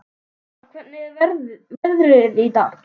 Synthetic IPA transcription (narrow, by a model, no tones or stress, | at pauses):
kʰvɛt̪̚nɪvɛɾvɛɾðɾɪɾit̪aː